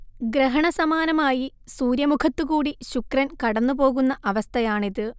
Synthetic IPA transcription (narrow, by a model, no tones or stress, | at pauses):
ɡɾeɦɐɳɐsɐmaːnɐmaːji | suːɾjɐmukʰɐt̪ːuɣuːɽiɕukrɐnkɐɽɐnːupo̞ːɣunːɐʔɐʋɐst̪ʰɐjaːɳiðɨ